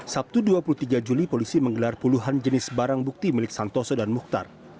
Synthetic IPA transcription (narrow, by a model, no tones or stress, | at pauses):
sap̚t̪uduapuluht̪iɡad͡ʒulipolisiməŋɡəlarpuluɦand͡ʒənɪsbaɾaŋbuk̚t̪imilɪk̚sant̪ɔsɔdanmuk̚t̪a̰r